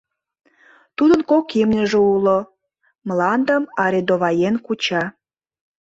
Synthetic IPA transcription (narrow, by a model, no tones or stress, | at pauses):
t̪ud̪ənkokimnʲəʒeulo | mlɑnd̪əmɑɾed̪oβɑjenkut͡ɕɑ